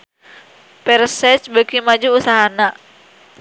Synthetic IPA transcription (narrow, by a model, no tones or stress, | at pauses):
pɛrsɛt͡ʃbəkimad͡ʒuːsaɦana